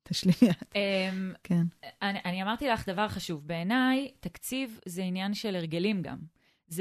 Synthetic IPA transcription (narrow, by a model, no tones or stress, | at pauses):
t̪ʰaʃlijat̪emkenanʔaniamaʁt̪ilaχd̪avaʁχaʃuvbe̞ːnajt̪akt͡sivzeinjanʃe̞leʁ̞ɡe̞limɡa̰m | z